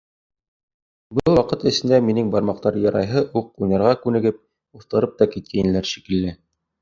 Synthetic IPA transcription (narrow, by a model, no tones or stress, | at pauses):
bɤlˠwɑqɤt̪ɘ̆sɘ̆nd̪æminɘŋbɑɾmɑq̚t̪ɑɾjɑɾɑjɦɤʔuq̚ujnɑɾʁɑkʉnɘ̆ɡɘp̚ | uθt̪ɤ̆ɾɤp̚t̪ɑkit̪̚kʰæjnɘ̆læɾʃikɘ̆lːɘ